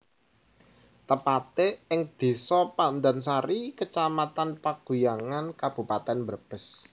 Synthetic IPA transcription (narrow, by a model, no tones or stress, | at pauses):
t̪əpat̪eɪŋd̪̥e̤sɔpand̪ansaɾikət͡ʃamat̪anpaɡ̥ṳjaŋankab̥ṳpat̪ɛnmbərb̥ə̤s